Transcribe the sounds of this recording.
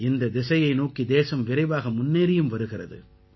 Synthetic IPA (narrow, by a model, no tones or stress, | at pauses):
ɪnd̪ɐd̪ɪsɐjɐɪnoːkid̪eːsɐmʋɪɾɐɪʋaːɣɐmʊnːeːɾɪjɯmʋɐɾɯɣɪrɐ̰ðɯ̰